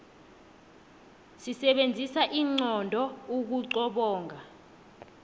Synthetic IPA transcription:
sisɛɓend͡zʱisaʔiːŋ͡ǀɔndʱɔuk̬uǀɔɓɔːŋʱa

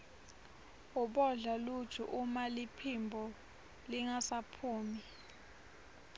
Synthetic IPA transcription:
uɓɔɮalu̥t͡ʃʰṵʔumalipʰimbʱɔ | liŋasapʰuːmi

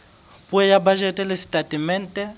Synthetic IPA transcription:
pʼʊɛjabaʒɛtʼɛlɪsi̥tʼadʼimɛn̩tʼɛ

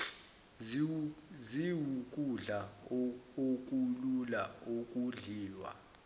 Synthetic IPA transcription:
ziwukʼuɮa | ok̬ʼululaokʼuɮiːwa̰

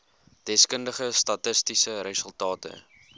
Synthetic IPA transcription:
d̥ɛskəndəχəstɐtəstisəɾəsəlˠtɑːtə̰

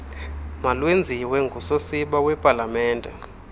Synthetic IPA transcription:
malwend͡zʱiwɛŋɡʱusosiɓawɛpʼalamɛːndʱɛ̰

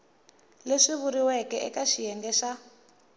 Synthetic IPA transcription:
leʂiβuɾiwɛkɛʔɛ̰kaʃijɛŋɡɛːʃa

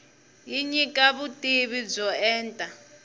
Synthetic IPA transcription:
jiɲikʼaβutʼiβib͡ʐɔɛːntʼa

